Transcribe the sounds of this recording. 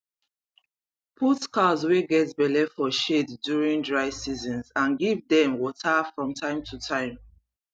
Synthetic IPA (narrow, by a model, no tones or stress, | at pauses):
pʰutkazweɡɛtbɛlɛfɔʃeddjuɹĩndɹaɪsizɔ̃nzãnɡivdɛ̃mwɔtʰafɹɔ̃mtʰãɪ̃mtʰutʰãɪ̃m